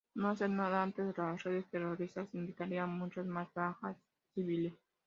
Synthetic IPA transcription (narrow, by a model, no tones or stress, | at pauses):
noas̬eɾnaðaant̪ezðelasreðe̞st̪eroɾist̪asind̪ikaɾianmũt͡ʃazmazbaxasː | iβiles